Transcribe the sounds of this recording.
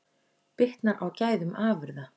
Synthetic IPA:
pɪht̪naʔawcaːjðʏmʔaːvʏɾða

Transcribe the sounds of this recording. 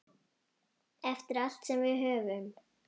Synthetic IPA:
ɛft̪ɪɾal̥t̪sɛmvɪðɦœːvʏm

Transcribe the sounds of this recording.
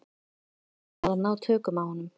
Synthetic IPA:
aðanaːwt̪ʰœːkʏmawhɔnːʏm

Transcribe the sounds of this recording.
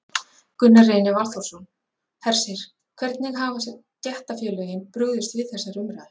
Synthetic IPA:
kʏnːareːjnavalt̪ɔwsɔn | θɛr̥sɪɾ̥ | kʰvɛɾt̪nɪɣɦaːvas | t̪jɛht̪afjœːlœːjɪnpɾʏɣðʏst̪vɪðθɛsːaɾʏmɾajðɪ

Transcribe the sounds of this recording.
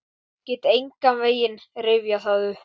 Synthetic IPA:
cɪːt̪ejŋkamveːjɪnrɪvjaθaðʏ

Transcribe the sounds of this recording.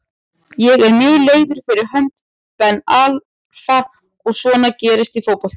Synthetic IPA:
jɛɣɛɾmjœːɣleːjðʏɾ̥fɪɾɪɾ̥ɦœnt̪ | pɛnːal | fa | ɔɣsvɔːnacɛːɾɪst̪ifoːwpɔlt̪

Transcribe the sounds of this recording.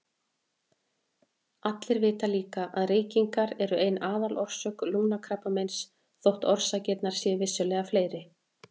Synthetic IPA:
at̪lɪɾvɪːt̪aliːkaʔaðriːjciŋkaɾɛɾʏʔejnaːðalʔɔr̥sœːkluːmnakʰɾapamɛjns | θowht̪ɔɾ̥sacɛt̪naɾ̥sjɛvɪsːʏlɛɣafleːjɾɪ

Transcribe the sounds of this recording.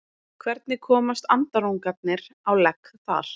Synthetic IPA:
kʰvɛɾt̪nɪkʰɔːmast̪ant̪aɾuŋkat̪̚nɪɾawlɛkθa̰ɾ̥

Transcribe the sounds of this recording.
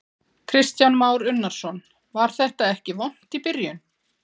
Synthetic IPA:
kʰɾɪst̪janmaːwɾʏnːaɾ̥sɔn | vaɾ̥θɛht̪aɛhcɪvɔn̥t̪ipɪɾjʏn

